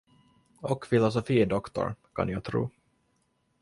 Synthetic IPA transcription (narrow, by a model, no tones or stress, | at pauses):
ɔkfɪlɔs̬ɔfiːd̪ɔkt̪ɔ̰ɾkʰɑ̰njɑːɡt̪ʰɾṵː